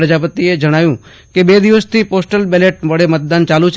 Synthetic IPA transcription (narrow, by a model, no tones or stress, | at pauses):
ɾd͡ʒaːpət̪ied͡ʒɐɽ̃aːjũ | kebeːd̪ɪʋəst̪ʰipoːsʈəlbɛːleːʈbəɽemət̪̚d̪aːnt͡ʃaːlut͡ʃʰ